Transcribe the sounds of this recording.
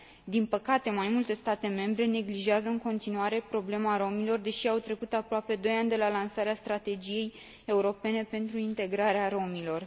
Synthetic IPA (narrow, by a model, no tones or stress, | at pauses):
d̪inpəkat̪e̞majmult̪e̞st̪at̪e̞me̞mbɾe̞ne̞ɡliʒeazəɨŋko̞nt̪inuaɾe̞pɾo̞ble̞maɾo̞milo̞rd̪e̞ʃiawt̪ɾe̞kut̪apɾoape̞d̪o̞janʲd̪e̞lalansaɾeast̪ɾat̪e̞d͡ʒije̞j | e̞uɾo̞pe̞ne̞pe̞nt̪ɾuint̪e̞ɡɾaɾeaɾo̞milo̞r